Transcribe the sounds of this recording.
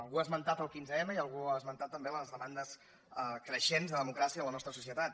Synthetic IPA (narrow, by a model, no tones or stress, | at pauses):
əlˠɣuazmənt̪at̪əlˠkinzəɛməiəlˠɣuazmənt̪at̪ːəmbeələzðəmand̪əs | kɾəʃenzðəðəmukɾasiəələnɔst̪ɾəsusiət̪at̪